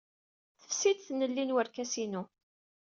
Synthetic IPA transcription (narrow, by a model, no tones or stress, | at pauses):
θə̥fsid̪θnəlːinwəɾkæsinu